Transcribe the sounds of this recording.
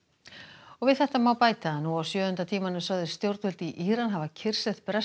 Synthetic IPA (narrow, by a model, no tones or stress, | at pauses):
ɔɣvɪðθɛht̪amawpaːjt̪anuawsjœːʏnt̪at̪ʰiːmanʏsœɣðɪ̥st̪jowɾt̪ʏlt̪iʔiːɾanɦavacʰɪr̥sɛðpɛɾa